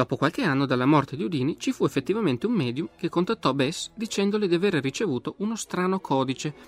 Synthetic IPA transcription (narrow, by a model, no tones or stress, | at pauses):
d̥̪ɔːpokwalk̟eanːod̪alːamɔrt̪ed̪iud̪iːnit͡ʃifuefːet̪ːivament̪eumːɛːd̪jumk̟ekːont̪at̪ːɔbɛsd̪it͡ʃɛnd̪oled̪iaverrit͡ʃevuːt̪oʔunost̪ɾaːnokʰɔːd̪it͡ʃe